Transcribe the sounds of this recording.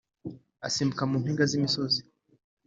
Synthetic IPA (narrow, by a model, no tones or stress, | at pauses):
a̰sim̩kamumpiŋɡazimisɔzi